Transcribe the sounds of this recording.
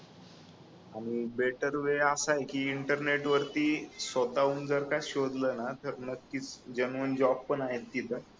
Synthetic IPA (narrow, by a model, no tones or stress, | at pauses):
aɽ̃ibeʈəɾʋeasajkiːɳʈəɾneʈʋəɾt̪iːsʋət̪auːnd͡zəɾkaɕod̪lənat̪əɾnəkːiːt͡sd͡ʑənʋənd͡ʑɔb̚pənaɦet̪ːit̪ə